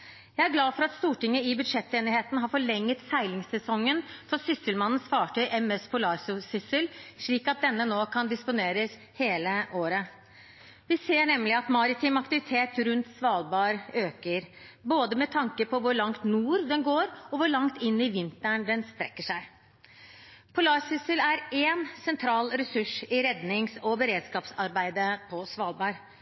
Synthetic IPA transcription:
jæɪæɾɡlɑːfɔɾɑt̪st̪uːʈɪŋːəɪbʉd̪ʂɛt̪ːeːnɪheːt̪nɦɑɾfɔɭɛŋːət̪sæɪlɪŋsɛsɔŋːənfɔsʏsəlmɑnːən̩sfɑːʈœʏʔɛmɛspʰʊlɑːɾsʊsʏsəlʂɭiːkɑt̪̚d̪ɛnːənoːkʰɑnd̪ɪspʊneːɾəs | heːləʔoːɾə | ʋɪseːɳɛmːlɪɑt̪mɑɾɪt̪ʰɪmɑkt̪ɪʋɪt̪ʰeːt̪ɾʉnt̪sʋɑːlbɑːɾøːkəɾ | boːd̪əmɛt̪ʰɑŋkəpʰɔʋʊɾɭɑŋt̪nuːɾd̪ɛnɡoːɾɔʋʊɾɭɑŋt̪ɪnːɪʋɪnt̪æɳd̪ɛnsp̪ɾɛkːəʂæɪ | pʰɔlɑːɾsʏsəlæɾeːnsɛnt̪ʰɾɑːlɾɛsʉʂɪɾɛd̪nɪŋsɔbəɾeːd̪skɑːpsɑɾbæɪd̪əpʰɔsʋɑːlbɑːɾ

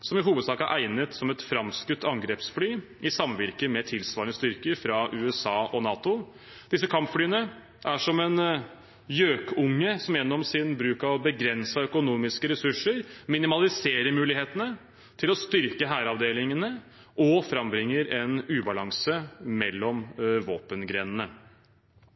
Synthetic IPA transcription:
sɔmɪɦuːʋəd̪sɑːkəæ̰ʔæɪnət̪sɔmɛt̪fɾɑmskʉt̪ːɑŋɡɾeːpsflyː | ɪsɑmʋɪɾkəmɛt̪ʰɪlsʋɑːɾəɳəst̪ʏɾkəɾfɾɑʔʉːɛsɑːʔɔnɑːt̪ʊ | d̪̥ɪsːəkʰɑmpfɽyːənə | ʔæʂɔmɛn | jøːkʰʊŋːəsɔmjɛnːɔmsɪnbɾʉːkɑbəɡɾɛnsəœkʊnuːmɪskəɾɛsʉʂːəɾmɪnɪmɑlɪseːɾəɾmʉːlɪheːt̪ənə | t̪ʰɪlɔst̪ʏɾkəɦæːɾɑʋd̪eːlɪŋənə | ʔɔfɾɑmbɾɪŋːəɾɛnʉːbɑlɑŋsəmɛlːɔmʋoːpənɡɾɛnənə

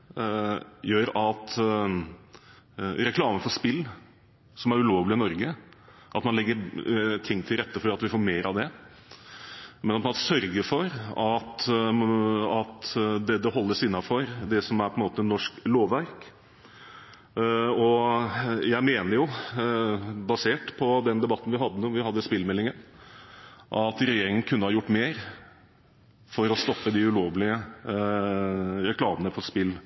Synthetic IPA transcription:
jøːɾɑt̪ | ɾɛkʰlɑːməfɔʂpɪlː | sɔmæɾʉloːʋlɪɪnɔɾɡə | ʔɑt̪mɑnlɛɡːəɾt̪ʰɪŋːt̪ʰɪlɾɛt̪ːəfɔɾiɑt̪ʋɪfoːɾmeːɾɑʋd̪ɛ | mɛnɑt̪pʰmːt̪sœɾɡəfɔɾɑt̪ | ɑt̪d̪ɛd̪ɛhɔlːəʂɪnːɑfɔɾd̪ɛsɔmæɾpʰɔɛnmoːt̪əɛnːɔʂkloːʋʋæɾk | ɔ | jæɪmeːnəɾjʊ | bɑseːʈpʰɔd̪ɛnd̪ɛbɑt̪ːn̩ʋɪɦɑd̪ːənuːʋɪhɑd̪ːəspɪlːmɛlːɪŋən | ʔɑt̪ɾɛjeːɾɪŋən̩kʰʉnːəhɑɾjʊʈːmeːɾ | fɔɾɔst̪ɔpːəd̪ɪʉloːʋlɪə | ɾɛkʰlɑːmənəpʰɔspɪlː

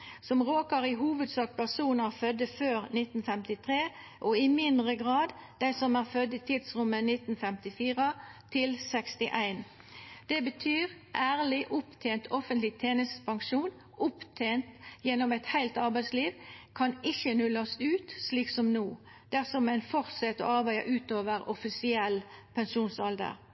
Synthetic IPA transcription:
sɔmʁoːkəʁɪɦuːʋəd̪sɑːk̚pæʁsuːnəʁfœd̪əføːʁnɪt̪n̩fɛmt̪ɪt̪ʰʁeː | ʔɔɪmɪnd̪ʁəɡʁɑːd̪d̪æɪsɔmæːʁfœd̪ːɪt̪ʰɪd̪sʁʊmːənɪt̪n̩fɛmt̪ɪfiːʁət̪ʰɪlsɛkst̪ɪʔæɪn | d̪̥ɛbət̪ʰyːʁʔæːʁlɪʔʊpt̪ʰeːnt̪ʰɔfənt̪lɪt̪ʰeːnəst̪pʰɑŋʃuːn | ʔʊpt̪ʰeːnt̪jɛnɔmæɪt̪hæɪlt̪ɑʁbæɪsliːʋkʰɑnɪçənʉlɑsʉːt̪sliːksɔmnoː | d̪̥æʁsɔmæɪnfɔʁt̪sɛt̪ɔ̰ɑʁbæɪɑ̰ʔʉːt̪oːʋəʁɔfɪsɪɛlːpʰɛnʃuːnsɑld̪ə̰ʁ

